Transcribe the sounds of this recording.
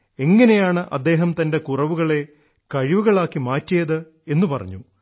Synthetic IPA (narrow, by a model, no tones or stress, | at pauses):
e̞ŋːɐne̞jaːɳɨʔɐd̪ːe̞ːɦɐmt̪ɐnde̞kurɐʋuɣɐɭe̞ | kɐɻiʋuɣɐɭaːkːimaːtːijɐðɨ | e̞nːupɐrɐ̰ɲːu